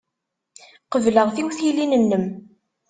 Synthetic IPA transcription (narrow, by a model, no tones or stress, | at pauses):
qəvləʁθiwθilinənːəm